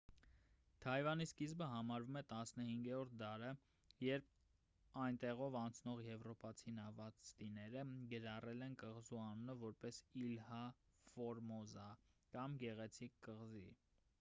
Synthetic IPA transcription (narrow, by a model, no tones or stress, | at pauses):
t̪ʰɑjvɑniskizbəɦɑmɑɾvumɛt̪ɑsnəhiŋɡɛɾɔɾt̪̚ʰd̪ɑɾə | jɛɾp̚ʰ | ɑjnt̪ɛʁɔvɑnt͡sʰnɔʁjɛvɾɔpɑt͡sʰinɑvɑt͡st̪inɛɾəɡəɾɑrɛlɛnkəʁzuɑnunəvɔɾpɛsilhɑ | fɔɾmɔzɑkɑmɡɛʁɛt͡sʰikːəʁzḭ